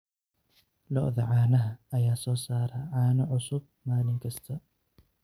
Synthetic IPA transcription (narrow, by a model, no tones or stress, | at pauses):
lɔ̰ʔðɐʕaːnɐɦɐɐjaːsɔːsaːɾɐʕaːnɐʕʊsʊb̚ | maːlɪŋkʰɐst̪ʰɐ